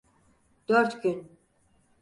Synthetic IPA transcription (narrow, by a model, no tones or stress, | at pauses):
d̪̥øɾt̪ʰɡʲyn